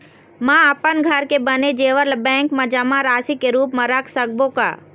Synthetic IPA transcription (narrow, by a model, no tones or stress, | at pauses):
mãəpənɡʱəɾkebəned͡ʒeːʋəɾlabɛ̃ːŋkmãd͡ʒɐmãɾaːsikeɾuːpmãɾəkʰsək̚boka̰